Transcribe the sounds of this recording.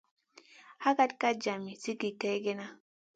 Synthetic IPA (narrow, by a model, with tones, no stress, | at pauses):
ha˦ka˦tka˦d͡ʒa˨mi˨si˦ɡi˨ke˦jɡe˦na˦